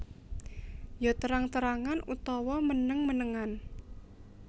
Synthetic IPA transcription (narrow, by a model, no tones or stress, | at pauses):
jot̪əɾaŋt̪əɾaŋanut̪ɔwɔmənəŋmənəŋan